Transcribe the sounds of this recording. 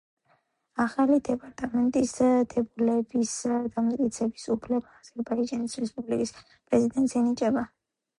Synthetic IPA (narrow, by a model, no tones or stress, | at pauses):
aχalid̪ɛpʼaɾt̪ʼamɛnt̪ʼist̪ʰɛbulɛbisd̪amat̪ʼkʼit̪sʰɛbisupʰlɛbaːz̥ɛɾbaid͡ʒanisɾɛspʼublikʼis | pʼɾɛzid̪ɛnt̪ʼsɛnit͡ʃʼɛba